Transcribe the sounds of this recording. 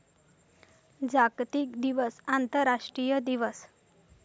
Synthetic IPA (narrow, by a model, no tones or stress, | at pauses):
d͡ʑaɡt̪ikd̪iʋəsant̪əɾaʂʈɾijəd̪iʋəs